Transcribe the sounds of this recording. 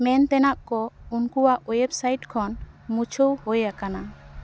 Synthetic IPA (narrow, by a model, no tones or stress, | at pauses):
mɛnt̪ɛnaʔkɔunkuaʔɔjɛbsajʈkʰɔn | mut͡ʃʰowhojakana